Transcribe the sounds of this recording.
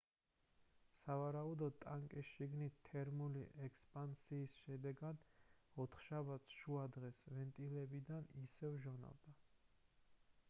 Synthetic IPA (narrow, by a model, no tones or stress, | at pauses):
savaɾaud̪ɔd̪̚t̪ʼaŋkʼisʃiɡnit̪ʰːɛɾmulḭʔɛkʰspʼansiːsʃɛd̪ɛɡad̪ɔt̪ʰχʃabat̪sʰʃuad̪ʁɛsvɛnt̪ʼilɛbid̪anisɛvʒɔna̰vd̪a